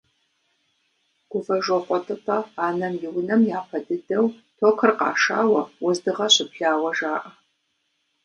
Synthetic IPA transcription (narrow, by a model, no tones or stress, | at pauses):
ɡ̥ʷʊvɐʒoχʷʼɔtʼɨtʼɐaːnɐmjɪwnɐmjaːpʰɐdɨdɐwtʰoːkʰɨrqɑ̰ːʂa̰ːwɐwʊzdɨʁɐɕʷɪpɬaːwɐʒaːʔɐ